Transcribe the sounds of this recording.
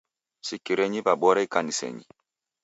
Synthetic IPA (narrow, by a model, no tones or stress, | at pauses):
sikːiɾɛɲibabɔɾɛikanisɛ̰ɲḭ